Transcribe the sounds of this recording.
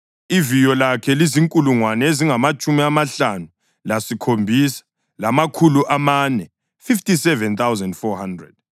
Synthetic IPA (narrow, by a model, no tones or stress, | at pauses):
ivijɔlakʰɛliziŋkʼuluŋwanɛeziŋamat͡ʃʼumiamaɬanu | lasikʰombʱisḁ | lamakʰuluʔamanɛ | fiftʼisɛvɛnt̪awzɛndfɔhandrɛ̰d̥̚